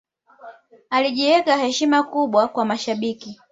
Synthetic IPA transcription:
aliʄiɛkahɛʃimakuɓwakwamaʃaɓiki

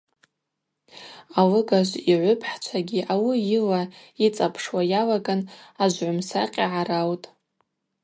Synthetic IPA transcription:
alɨɡaʒʷiʕʷʊpʰʼħt͡ʃʷʰaɡʲiʔawijilait͡sʼapʰʂwajalaɡanaʒʷʕʊmsa̰qʲʼiʕaɾawtʼ

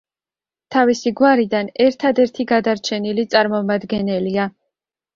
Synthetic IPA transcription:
t̪ʰavisiɡwaɾid̪anɛɾt̪ʰad̪ɛɾt̪ʰiɡad̪aɾt͡ʃʰɛnilit̪sʼaɾmɔmad̪ɡɛnɛlia

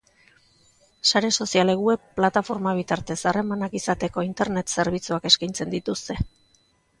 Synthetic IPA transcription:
saɾe̞so̞siale̞ɣue̞pːlat̪afo̞ɾmaβ̞it̪aɾt̪e̞sare̞manakisat̪e̞ko̞int̪e̞ɾne̞t̪se̞ɾβ̞it͡suake̞skajnt͡se̞nd̪it̪ust̪e̞

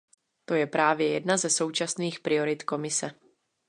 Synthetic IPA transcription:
t̪o̞jɛpɾaːvjɛjɛdnazɛso̞wt͡ʃasniːxpɾɪo̞ɾɪt̪ko̞mɪsɛ

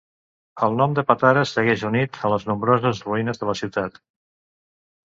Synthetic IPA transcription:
əlˠnɔmd̪əpat̪aɾəsəɣɛʒunit̪ʰələznumbɾɔzəzruinəzðələsiwt̪at̪

